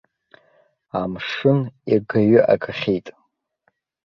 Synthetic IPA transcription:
amʂɨniɡaɥʏʔa̰kʰaχʲijtʼ

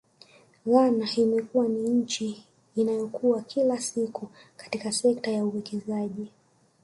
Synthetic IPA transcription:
ɣanaimɛkuwaniɲ̩t͡ʃiː | najɔkuwakʰilasikukḁtikasɛk̚tajauwɛkʰɛzaʄi

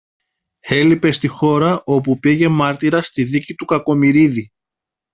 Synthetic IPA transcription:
e̞lipe̞st̪ixo̞ɾɐʔo̞pupiʝe̞mɐɾt̪iɾɐst̪iðicit̪ukɐko̞miɾiði

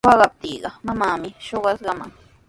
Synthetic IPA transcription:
ɑɢɑp̚t̪iːɢɑmamaːmɪʃoɢɑsɢɑma̰ŋ

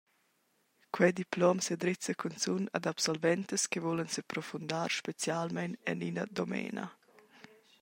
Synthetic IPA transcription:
kwɛd̪iplɔmsed̪ɾɪt͡səkʰunt͡suna̰d̪apsɔlvɛnt̪əskevolənsəpɾɔfund̪aːɾʃpet͡sjalmɛnɛ̰ninɐ̰d̪omɛ̰ːnʔa̰

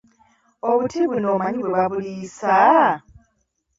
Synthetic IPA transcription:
o̞βutʰiβunoːmaɲiβwe̞βaβuliːsa

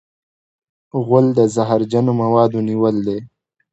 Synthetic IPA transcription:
ɣʊld̪əzaɦaɾd͡ʒanomawɑːd̪oniwəld̪e

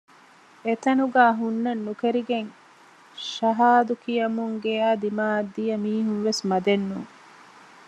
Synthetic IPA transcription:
et̪ɐnuɡæːɦunːɐnːukeɾiɡeŋ | ʃɐɦaːd̪ukijɐmuŋɡeaːd̪imaːd̪ːijɐmiːɦunʋesmɐd̪enːuːŋ

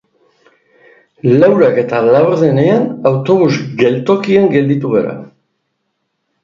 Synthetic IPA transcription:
lawɾake̞t̪alawɾðe̞ne̞anawt̪o̞βuzɡe̞lt̪o̞kieŋɡe̞ld̪it̪uɣeɾa̰

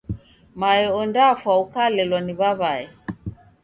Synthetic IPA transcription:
maɛɔndafwaukalɛlwaniβaβaɛ

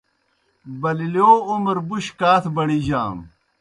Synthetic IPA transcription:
bɐliljoːumɐɾbuɕkaːt̪ʰbɐɽiʑa̰ːm

